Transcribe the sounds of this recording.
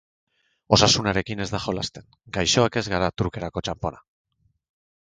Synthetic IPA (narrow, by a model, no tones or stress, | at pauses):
o̞sasunaɾe̞kine̞zd̪axo̞last̪e̞ŋ | ɡajʃo̞ake̞zɣaɾat̪uɾke̞ɾako̞t͡ʃampo̞na